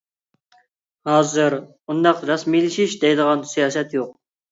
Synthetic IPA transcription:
hɑːzɨɾ | und̪ɑqɾɑsmijlɪʃiʃd̪ɛjd̪əʁɑnsijɑːsɛt̪joq̚

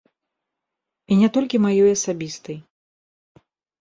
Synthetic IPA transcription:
inʲɛt̪ɔlʲkʲimajɔjɐsabʲist̪ɐj

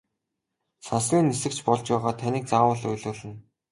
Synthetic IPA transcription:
sansɮʲiːnːisɘ̆k̚t͡ɕʰpɔɮt͡ɕpæːʁaːt̪ʰanʲiːk̚t͡saːwə̆ɮʊjɮʊːɮɘ̆n

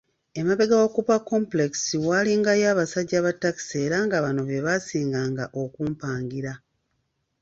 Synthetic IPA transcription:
e̞maβe̞ɡawokupakːo̞mple̞ki̥siwaːliŋɡajaːβasaɟːaβatːaki̥se̞ːɾaŋɡaβano̞βe̞βasiːŋɡaːŋɡaʔokuːmpaːŋɡiɾa

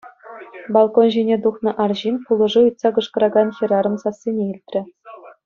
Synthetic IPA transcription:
bɑlˠkonʑinʲed̪uχnɤ̆ʔɑrʑinpulˠɤ̆ʐɯujt̪sɑkɤ̆ʂkɤ̆ɾɑɡɑnxʲĭɾɑɾɤ̆nsɑsʲːenʲeilʲt̪ʲrʲɘ̆

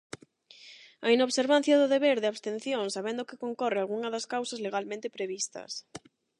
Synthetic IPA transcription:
ainoβseɾβan̟θjɐðʊðeβeɾðɪaβst̪ẽn̟θjõŋsaβend̪ʊkɪkoŋkɔrɪalɣuŋɐðɐskawsɐzleɣalmẽnt̪ɪpɾeβist̪ɐ̰s

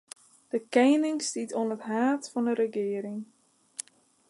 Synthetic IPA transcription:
d̥əkɛjnɪŋstitonətɦaːtfɔndəɾəɡɪːəɾɪŋ

